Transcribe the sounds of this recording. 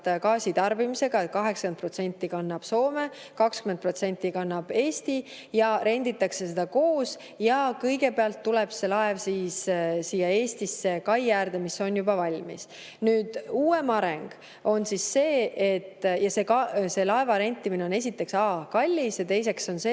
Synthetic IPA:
t̪kɑːsit̪ɑrbimise̞ɡ̥ɑet̪̚kɑɦeksɑkent̪pro̞t̪se̞nʲt̪ːˑikɑnːɑb̥so̞ːme̞ | kɑkskymnd̪̚pro̞t̪se̞nʲt̪ːˑikɑnːɑb̥e̞ːst̪i | jɑɾʔe̞nʲd̪̥it̪ːˑɑkse̞s̬e̞d̪̥ɑko̞ːs | jɑkɤjɡ̥e̞peɑlt̪ːulɛb̥se̞lɑevsiːssiːjːɑe̞ːst̪isːe̞kɑjjærd̪e̞miso̞njubɑvɑlʲmḭs | nyːd̪̥uːe̞mɑɾeŋɡ̥ | o̞nsisːe̞ːet̪ːjɑse̞kɑse̞lɑe̞vɑɾe̞nʲt̪ːˑimine̞one̞sit̪ːˑe̞ksɑːkɑlʲːisjɑt̪e̞jse̞kso̞nse

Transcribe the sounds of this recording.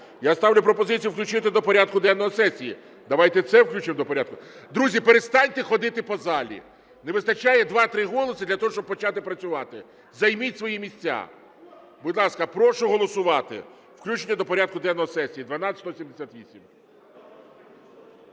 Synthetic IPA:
jast̪ɑwlʲʊpɾɔpɔzɪt͡sʲijuwklʲʉt͡ʃɪt̪ɪd̪ɔpɔɾʲad̪̚kʊd̪ɛnnɔɦɔsɛsʲijḭ | d̪ɐʋajt̪ɛt̪sɛwklʲut͡ʃɪmd̪ɔpɔɾʲad̪̚kʊ | d̪ɾuzʲipeɾe̞st̪ɑnʲt̪exɔd̪ɪt̪ɪpɔzɑlʲḭ | neʋɪst̪ɐt͡ʃajɛd̪ʋɑt̪ɾɪɦɔlˠɔsɨɪd̪lʲɐt̪ɔɦɔʃt͡ʃɔb̚pɔt͡ʃɑt̪ɪpɾɐt͡sʲʊʋɑt̪ɪ | zɐjmitʲsʋɔjimʲisʲt͡sʲːa̰ | bʊd̪ʲlˠɑskɐpɾɔʃʊɦɔlˠɔsʊʋɑt̪ɪ̰ | w̥klʲut͡ʃenʲːɐd̪ɔpɔɾʲad̪̚kʊd̪ɛnɔɦɔsɛsʲijid̪ʋɐnɑst̪ɔsʲimd̪esʲat̪ʋʲisʲim

